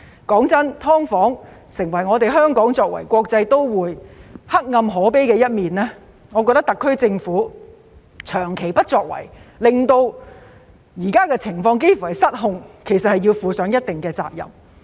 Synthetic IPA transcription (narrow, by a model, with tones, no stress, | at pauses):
kɔː˨˥ŋt͡sɐ˥nt̪ʰɔː˥ŋfɔː˨˥ŋsɪ˨˩ŋwɐ˨˩jŋɔː˨˧t̪e˨jɦœː˥ŋkɔː˨˥ŋt͡sɔː˧k̚wɐ̰˨˩jkʷɔː˧k̚t͡sɐ˧jt̪o˥wwuː˨˧jhɐ˥k̚ŋɐ˧mɦɔː˨˥pe˥jkɛː˧jɐ˥t̚miː˨nlɛː˥ | ŋɔː˨˧kɔː˧t̪ɐ˥kt̪ɐ˨kʰːɵ˥t͡sɪ˧ŋfuː˨˥ | t͡ʃʰœː˨˩ŋkʰe˨˩jpɐ˥t̚t͡ʃɔː˧k̚wɐ̰˨˩jlɪ˨ŋt̪o˧w | jiː˨˩kaː˥kɛː˧t͡sʰɪ˨˩ŋfɔː˧ŋk̬e˥jfu˨hɐ˨jsɐ˥t̚ɦʊ˧ŋkʰe˨˩jsɐt̚hɐ˨jiː˧wfuː˨˧sœː˨˥ŋjɐ˥t̚t̪ɪ˨ŋkɛː˧t͡sa̰ː˧k̚jɐ̰˨˩m